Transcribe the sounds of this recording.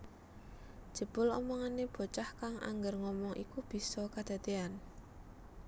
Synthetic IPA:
d̥ʒ̥ə̤b̥ʊlɔ̰mɔŋaneb̥o̤t͡ʃahkaŋʔa̰ŋɡərŋɔmɔŋʔḭkub̥i̤sɔkad̪̥a̤t̪ean

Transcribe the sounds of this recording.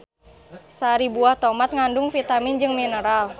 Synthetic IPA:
saɾibuaht̪ɔmat̪̚ŋandʊŋfit̪amind͡ʒɨŋminəɾal

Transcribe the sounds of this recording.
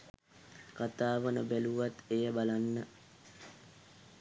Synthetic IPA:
kat̪aːʋənəbæluʋat̪ejəbalanːə

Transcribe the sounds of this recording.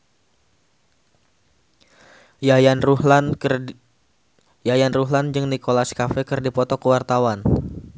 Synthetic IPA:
n | jajanruɦland͡ʒɨŋnikolaskafɛkɨrdipɔt̪ɔkəwart̪awan

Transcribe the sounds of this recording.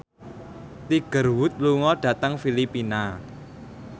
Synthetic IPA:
t̪iɡ̥ə̤rwʊt̪̚luŋɔɖ̥ä̤t̪əŋfilipina

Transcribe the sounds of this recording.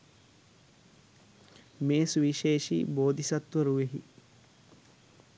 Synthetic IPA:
meːsuʋiʃeːʃḭboːd̪ʱisɐt̪ʋɐɾuʋeɦḭ

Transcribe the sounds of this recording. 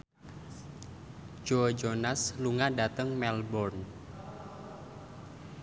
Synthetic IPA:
d͡ʒod͡ʒonasluŋadat̪əŋmɛlbɔrn

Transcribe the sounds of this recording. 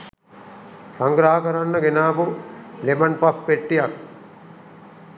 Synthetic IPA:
saŋɡɾaːəkəɾanːəɡenaːpulemanpapːeʈːijak̚

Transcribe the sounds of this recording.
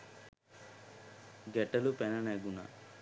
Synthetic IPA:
ɡɛʈːɐlupɛnɐneɡunɐ̰

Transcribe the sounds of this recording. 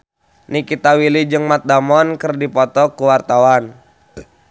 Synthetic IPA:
nikit̪awilid͡ʒɨŋmat̪̚damɔnkɨrdipɔt̪ɔkuwart̪awan

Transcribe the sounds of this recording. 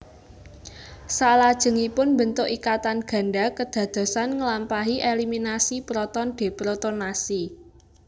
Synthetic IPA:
salad̥ʒ̥ə̤ŋipʊnmbənt̪ʊʔikat̪anɡ̥ä̤nɖakəd̪̥ä̤d̪̥o̤sanŋəlampaɦiʔeliminasipɾɔt̪ɔnɖ̪̥e̤pɾɔt̪ɔnasi

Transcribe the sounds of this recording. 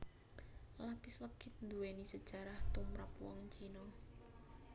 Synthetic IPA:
lapɪsləɡ̥ɪt̪̚nd̪uwenisəd̥ʒ̥aɾaht̪umɾapwɔ̰ŋt͡ʃinɔ

